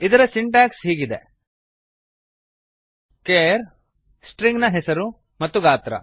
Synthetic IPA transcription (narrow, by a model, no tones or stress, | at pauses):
id̪ɐɾɐsiɳʈaːksɦiːɡid̪ḛ | keːɾ | sʈɾiŋɡnɐɦesɐɾu | mɐt̪ːuɡaːt̪ɾɐ̰